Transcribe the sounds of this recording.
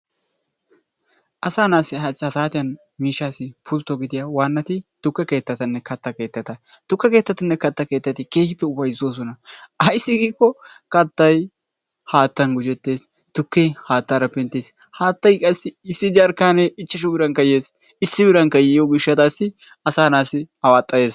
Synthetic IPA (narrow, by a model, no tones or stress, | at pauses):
ʔɐsaːnaːsɪhɐhɐsaːt̪ɪjɐn | miːʃːaːsɪpʰʊlt̪ːɔɡɪd̪ɪjawaːnːɐt̪ɪt̪ʊkːɐke̞ːt̪ːɐt̪ɐnːɛkɐt̪ːɐke̞ːt̪ːɐt̪ɐ | t̪ʊkːɐke̞ːt̪ːɐt̪ɐnːɛkɐt̪ːɐke̞ːt̪ːɐt̪ɪke̞ːhɪpːɛʊbɐjɪzoːs̬ɔnɐɐjsːɪɡiːkːɔkɐt̪ːɐj | haːt̪ːɐnɡʊd͡ʒɛt̪ːe̞ːs | t̪ʊkːejhaːt̪ːaːɾɐpɛnt̪ːeːs | haːt̪ːɐjkʼɐsːɪɪsːɪd͡ʒaɾkaːnɛɪt͡ʃːɪʃ̬ʊbɪɾɐŋkɐjeːs | ɪsːɪbɪɾɐŋkɐjɛjoɡɪʃːɐt̪aːsɪ | ɐsaːnaːsɪɐwaːt̪ʼːɐje̞ːs